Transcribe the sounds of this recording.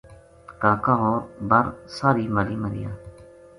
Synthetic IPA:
kaːkãːɦoːɾbəɾsaːɾiːmaliːməɾɪ̰ja̰ː

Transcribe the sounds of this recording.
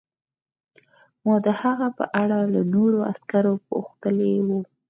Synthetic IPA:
mɑd̪əhaɣapə̰ʔaɽalanoɾoa̰skaɾopo̰xt̪əlewu

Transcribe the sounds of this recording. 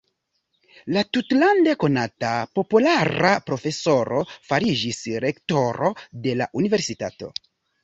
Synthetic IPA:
latutlande̞ko̞natapo̞pulaɾapɾo̞fe̞so̞ɾo̞faɾid͡ʒisɾe̞kto̞ɾo̞de̞la̰ʔunive̞ɾsitato̞̰

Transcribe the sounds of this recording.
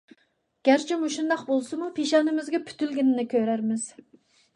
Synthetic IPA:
ɡ̥ʲæɾt͡ʃʰimuʃund̪ɑqbolˠsɨmupʰeʃɑnɨmɪzɡʲɛpʰy̥t̪ylɡʲɪnɪnɪkʲʰøɾæɾmɪz̥

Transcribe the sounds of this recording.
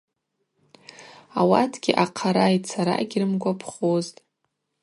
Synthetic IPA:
awa̰tʰɡʲiʔaqʰaɾajtt͡sʰaɾa̰ɡʲrɨmɡʷapʰχoztʼ

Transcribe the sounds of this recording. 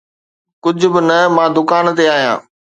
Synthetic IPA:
kʊd͡ʑʱʊ̆bɪnɐmãːd̪ʊkaːnt̪eaːɦijã̰ː

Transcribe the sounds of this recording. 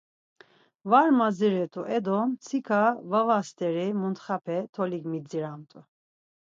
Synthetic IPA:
vaɾmaziɾɛt̪ʼuʔɛd̪ɔmt͡sʰikʰavavast̪ʰʼɛɾɛmunt̪χapʰɛt̪ʰɔliɡmid͡ziɾamt̪ʼu

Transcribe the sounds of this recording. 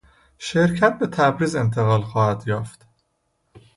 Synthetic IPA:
ʃeɾcʰæt̪̚be̞t̪ʰæbɾiːze̞nt̪ʰe̞ɣɒːlxɒːhæd̪jɒːft̪

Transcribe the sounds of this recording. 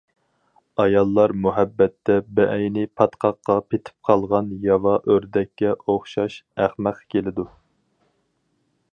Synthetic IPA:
ɑjɑlˠːɑɾmuɦɛbːɛt̪ːɛbɛʔɛjnɪpʰɑt̪qʰɑqːɑpʰet̪ʰɪ̥p̚qʰɑlˠʁɑnjɑvɑʔøɾd̪ɛkʲːɛʔoχʃɑʃæχmæqkʲelɪd̪u

